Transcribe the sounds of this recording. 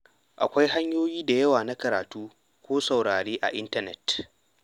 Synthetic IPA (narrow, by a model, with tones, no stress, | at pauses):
ʔa̰˨kʷa˦jɦa˦ɲjoː˦jiː˦da˨jɐ˦waː˨na˦kɐ˨ɾaː˨tuː˦ | kʷoː˦sa˨wɽaː˨ɽeː˦ʔa̰˨ʔɪ˦ntɐ˦nɛ̰˨t